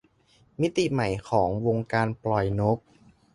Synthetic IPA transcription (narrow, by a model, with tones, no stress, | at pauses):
mi˦˥t̪i˨˩ma˩˦jkʰɔː˩˦ŋwo˧ŋkaː˧nplɔ˨˩jno˦˥p̚